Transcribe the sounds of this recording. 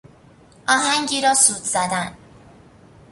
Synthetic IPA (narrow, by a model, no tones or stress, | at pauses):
ʔɒːɦæŋɟiːɾɒːsuːd̪z̥æd̪æn